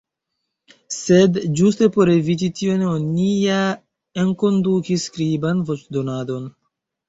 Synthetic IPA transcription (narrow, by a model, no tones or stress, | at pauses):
se̞dd͡ʒuste̞po̞ɾe̞vit̬itiononija | enko̞ndukiskɾibanvo̞t͡ʃdo̞nado̞n